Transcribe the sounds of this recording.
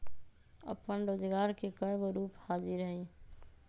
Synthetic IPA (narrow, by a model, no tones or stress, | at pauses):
ə̰pːənɾod͡ʒɡaɾkekəebɾuphad͡ʒiɾəɦi